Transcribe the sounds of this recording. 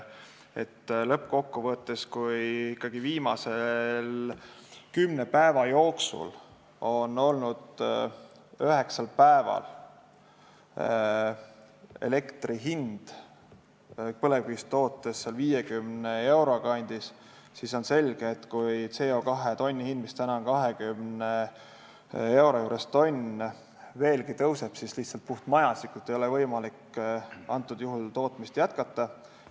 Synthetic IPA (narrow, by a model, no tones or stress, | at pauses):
e̞̰t̪ːlɤpːko̞kːuvɤt̪ːˑeskujikːˑɑɡ̥iviːmɑse̞l | kymne̞pæevɑjo̞ːksṵl | o̞no̞lnud̪̥ | øɦe̞ksɑlpæevɑ̰l | ḛle̞kt̪riɦind̪̥ | pɤle̞vist̪o̞ːt̪ːˑesːelviːjekymnee̞wɾo̞ɡ̥ɑɑnʲd̪̥is | siso̞nse̞lʲɡ̥eːt̪ːkujt̪se̞o̞kɑɦe̞t̪o̞nʲːihind̪mist̪ænɑnkɑɦe̞kymne | e̞wɾojuːɾest̪o̞nʲ | ve̞ːlɡit̪ɤwse̞b̥sisliht̪sɑlt̪̚puht̪mɑjɑsikːˑult̪ːˑejo̞levɤjmɑlikɑnt̪ːˑud̪̥juɦult̪o̞ːt̪mist̪jæt̪kɑt̪ːˑɑ